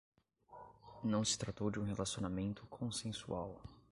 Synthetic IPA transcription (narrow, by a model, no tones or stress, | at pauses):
nɐ̃w̃sɪ̥t̪ɾat̪owd͡ʒɪũɦelasionamẽnt̪ʰʊkʰõsẽsṵaw